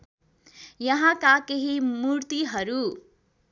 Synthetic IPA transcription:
jʌɦãkakeɦimuɾt̪iɦʌɾu

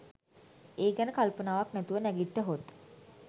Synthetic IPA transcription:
eːɡɛnəkalpənaːʋaknæt̪uʋənæɡiʈːəɦot̪

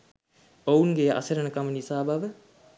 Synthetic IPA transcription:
ounɡea̰səɾənəkamənisaːbaʋə

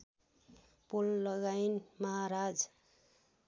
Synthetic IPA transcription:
polːʌɡajnmʌɦaɾad͡z

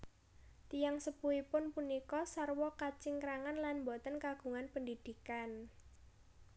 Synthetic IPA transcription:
t̪ijaŋsəpuipʊnpunikɔsarwɔkat͡ʃɪŋkəɾaŋanlanmbɔt̪ənkaɡ̥ṳŋanpəndid̪̥i̤kan

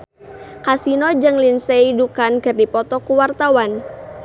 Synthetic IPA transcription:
kasinɔd͡ʒəŋlinseidukankɨrdipɔt̪ɔkuwart̪awan

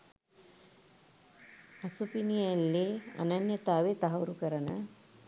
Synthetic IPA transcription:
ɐsupinijɐlːeɐ̰nɐnjɐt̪aːʋet̪ɐɦɐuɾukɐɾɐnɐ

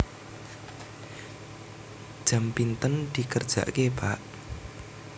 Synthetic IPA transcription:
d̥ʒ̥a̤mpint̪ənd̪̥i̤kərd̥ʒ̥a̰ʔkeb̥aʔ

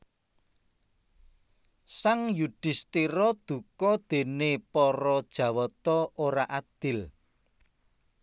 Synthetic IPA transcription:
saŋjuɖ̥ɪ̤st̪iɾɔd̪̥ṳkɔd̪̥e̤nepɔɾɔd̥ʒ̥ä̤wɔt̪ɔoɾaʔad̪̥ɪ̤l

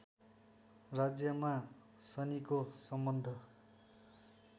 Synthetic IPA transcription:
rad͡zjʌma | sʌnikosʌmbʌnd̪ʱʌ

